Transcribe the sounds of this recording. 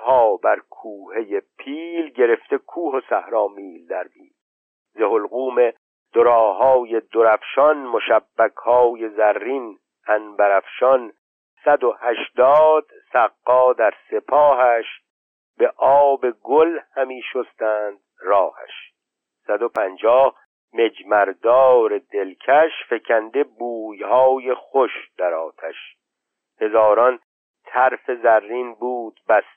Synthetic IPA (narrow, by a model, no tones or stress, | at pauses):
hɒːbæɾkʰuːhe̞jepʰiːlɟe̞ɾe̞ft̪e̞kʰuːɦosæ̰hɾɒːmiːld̪æɾmḭːl | zeholɣuːme | d̪̥oɾɒːhɒːjed̪oɾæfʃɒnmo̞ʃæbːækʰhɒːje̞zæɾːin | ænbæɾæfʃɒn | sæd̪o̞hæʃd̪ɒːd̪̥sæqːɒːd̪æɾse̞pʰɒːɦæʃ | be̞ʔɒːbe̞ɡolhæmiːʃost̪æːnd̪̥rɒːhæ̰ʃ | sæd̪opʰænd͡ʒɒːh | me̞d͡ʒmæɾd̪ɒːɾed̪elkʰæʃfe̞kʰænd̪e̞buːjhɒːje̞χoʃd̪̥æɾɒːt̪ʰæʃ | he̞zɒːɾɒn | t̪ʰæɾfe̞zærːiːnbuːd̪̥̚bæs